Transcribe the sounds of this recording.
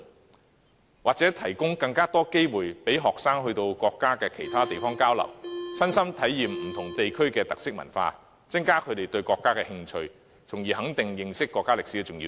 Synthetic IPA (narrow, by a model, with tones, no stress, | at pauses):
waː˨k̚t͡sɛː˨˥t̪ʰɐ˨˩jkʊ˥ŋkɐ˧ŋkaː˥t̪ɔː˥ke˥jwuː˨˩jpe˨˥jɦɔː˨k̚saː˥ŋɦɵ˧ɥt̪o˧wkɔː˧kːaː˥kɛː˧kʰe˨˩jt̪ʰaː˥t̪e˨jfɔː˥ŋkaː˥wlɐ̰˨˩wsɐ˥nsɐ˥mt̪ʰɐ˨˥jːiː˨mm̩˨˩t̪ʰʊ˨˩ŋt̪e˨jkʰɵ˥ɥkɛː˧t̪ɐ˨k̚sɪ˥k̚mɐ̰˨˩nfa̰ː˧ | t͡sɐ˥ŋkaː˥kʰɵ˨˧t̪e˨jt̪ɵ˧ɥkʷɔː˧kːaː˥kɛː˧hɪ˧ŋt͡ʃʰɵ˧ɥ | t͡sʰʊ˨˩ŋjiː˨ɦɐ˨˥ŋt̪ɪ˨ŋjɪ˨ŋsɪ˥kːɔː˧kːaː˥lɪ˨ksi˨˥ɛ˧t͡sʊ˨ŋjiː˧